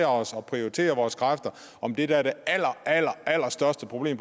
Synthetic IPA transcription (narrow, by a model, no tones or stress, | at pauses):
ɐɒ̽sɒ̽pʰʁio̝ʁit͡sʰe̝̰ːɐʋɒːskʰʁafd̥ɐ | ʔɒ̽md̥e̝ɾ̥ææɐɾ̥e̝æl̰ɐæl̰ɐæl̰ɐsd̥ɶɐsd̥əpʰʁoble̝̰ːm